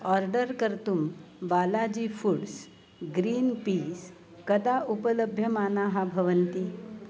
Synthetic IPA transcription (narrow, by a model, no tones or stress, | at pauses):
ɔɾɖəɾkəɾt̪uːmbalad͡ʑiːfuɽs | ɡɾiːnpis | kəd̪aʔupələbʱjəmanaɦabʱəʋənt̪i